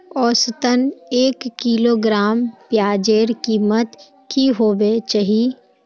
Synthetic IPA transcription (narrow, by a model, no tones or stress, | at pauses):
ɔːsət̪əneːkːiːloːɡɾaːmpjaːd͡ʒeːɾkiːmət̪ | kiɦoːbet͡ʃaɦi